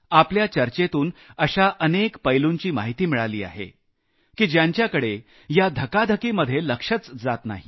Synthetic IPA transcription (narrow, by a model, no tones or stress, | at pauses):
apljat͡ɕəɾt͡ɕet̪uːnəɕaʔənekpəjluɲt͡ɕiːmaɦit̪iːmiɭaliːa̰ɦḛ | kiːd͡ʑjaɲt͡ɕjakəɽe | jad̪ʱəkad̪ʱəkiːməd̪ʱːjeləkʂət͡sd͡zat̪na̰ɦi